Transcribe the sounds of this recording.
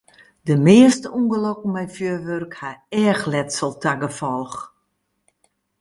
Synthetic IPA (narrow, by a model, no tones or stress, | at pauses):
dəmɪəstəuŋɡəlokəmɛjfjøːʋørkhaɛːxlɛtsəlˠtʰaɡəfɔlˠx